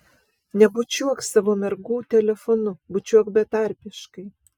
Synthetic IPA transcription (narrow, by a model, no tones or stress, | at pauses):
nʲɛbʊt͡ʃʲuɔksɑʋoːmʲɛɾɡuːt̪ʲɛlʲɛfɔnʊbʊt͡ʃʲuɔkbʲɛt̪ɑˑɾʲpʲɪʃkɐɪ